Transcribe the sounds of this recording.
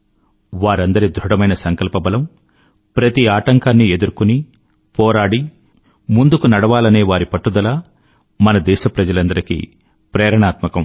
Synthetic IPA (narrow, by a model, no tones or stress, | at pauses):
ʋaːɾɐnd̪ɐɾid̪ɾuɽɐmɐjnɐsɐŋkɐlpɐbɐlɐm | pɾɐt̪iaːʈɐŋkaːnːie̞d̪uɾukuni | pɔːɾaːɽi | mund̪ukunɐɽɐʋaːlɐne̞ːʋaːɾipɐʈːud̪ɐlaː | mɐnɐd̪ɛːʃɐpɾɐd͡ʒɐlɐnd̪ɐɾikḭ | pɾɛːɾɐɳaːt̪mɐkɐm